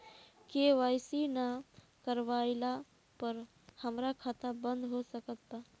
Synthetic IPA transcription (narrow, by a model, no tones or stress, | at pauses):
keʋajsina | kəɾʋaɪla | pəɾ | həmɾakʰat̪abə̃nd̪ɦosəkət̪ːa